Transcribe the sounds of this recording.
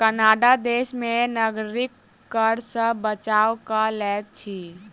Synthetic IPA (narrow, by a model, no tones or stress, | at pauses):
kənaɖad̪esmenəɡɾikː | əɾsə̃bət͡ʃawkalɛt̪̚t͡ʃʰi